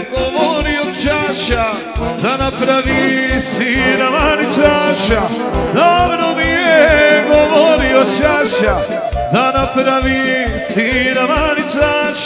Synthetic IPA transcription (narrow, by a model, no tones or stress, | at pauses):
ɡoʋoɾiot̪t͡ʃaʃa | d̪anapɾaʋisiɾamanit͡s̪aʃa | d̪avɾomijeɡoʋoɾiot͡ʃaʃa | d̪anapɾaʋi | siɾamanisaʃ